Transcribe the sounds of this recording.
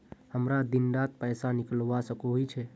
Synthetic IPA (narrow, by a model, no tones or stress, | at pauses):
həmɾad̪indat̪̚pəjsaniklʋasəkuɦujt͡ʃʰɛ